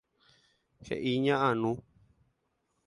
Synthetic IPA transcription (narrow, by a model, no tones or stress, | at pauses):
hḛʔiɲãʔanũ